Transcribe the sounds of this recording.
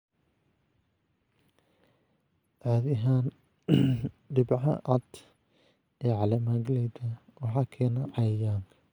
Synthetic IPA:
ʕaːðɪɦaːn | ɖɪbʕɑ̰ʔɑd̪ | ɛːʕɑlɐmaːɡlɛd̪ɐwɑħɑːkʰɛːnɐʕɑjjaːŋkʰ

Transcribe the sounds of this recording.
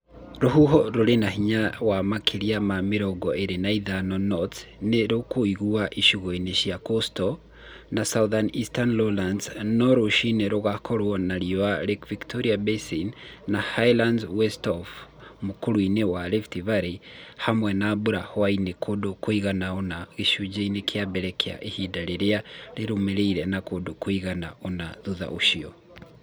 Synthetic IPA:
ɾoɦuɦɔɾoɾenahiɲawamakʰeɾiamameɾɔɡɔeɾenaiðanɔnɔtneɾokoiɣuaʔiʃuɣoineʃiakostɔ | nasauðanistanlolandsnɔɾoʃineɾoɣakʰɔɾwɔnaɾioaɾekviktʰoɾiabesinːahajlandwɛstɔfmukuɾwinewalɛftivaɾihamwɛnabuɾahwainekʰodokwiɣanaonaɣiʃud͡ʒeinekʰiabɛɾɛkia̰ʔehidaɾeɾialeɾumeɾeiɾɛnakodokwiɣanaunaðuða̰ʔuʃiɔ

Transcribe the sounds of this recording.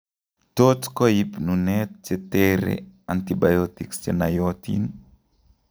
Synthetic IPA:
totkɔipnunɛt̚t͡ʃɛtɛɾḛant̪ibajɔt̪ikst͡ʃenajɔt̪ḭn

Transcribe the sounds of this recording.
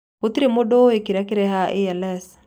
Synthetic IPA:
ut̪iɾemodoekiɾakiɾɛɦaʔiɛlɛs

